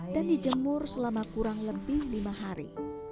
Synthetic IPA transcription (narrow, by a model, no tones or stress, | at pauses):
d̥andid͡ʒəmʊrsəlamakuɾaŋləbɪhlimaɦaɾḭ